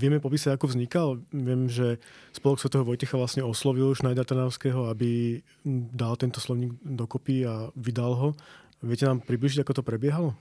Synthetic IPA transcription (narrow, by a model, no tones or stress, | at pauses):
ʋɪɛmɛpɔp̬iːsaakuvzɲikalʋɪɛmʒɛspɔlɔksʋɛt̪ɔɛɦɔʋɔjcɛxaʋlasɲɛɔslɔʋiluʃnajd̪aɾt̪anaːʊskɛɦɔabi | d̪alt̪ɛnt̪ɔslɔʊɲiːɡd̪ɔkɔpiaʋid̪alɦɔ | ʋɪɛcɛnaːmpɾibliʒiɟakɔt̪ɔpɾɛbɪɛɦalɔ